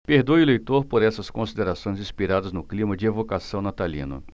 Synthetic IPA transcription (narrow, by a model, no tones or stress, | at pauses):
peɾd̪ojʊlejt̪oɾpoɾɛsɐskõsid̪eɾasõj̃zĩspiɾad̪ɐznʊklĩmɐd͡ʒɪevokasɐ̃w̃nat̪alḭ̃nʊ̰